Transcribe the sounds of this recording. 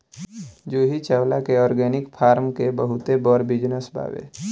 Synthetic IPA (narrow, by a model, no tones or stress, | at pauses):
d͡ʒuːɦit͡ʃəwlakeɔːɾɡɛːnɪkpʰaːɾmkebəɦʊt̪ebɔːɾbɪd͡ʒnəsbʱa̰ːʋḛː